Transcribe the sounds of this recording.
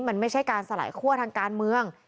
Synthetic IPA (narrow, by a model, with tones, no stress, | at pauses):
ma˧nma˥˩jt͡ɕʰa˥˩jkaː˧nsa˧la̰ː˨˩˦jkʰu˥˩ət̪ʰaː˧ŋkaː˧nmɯ˧əŋ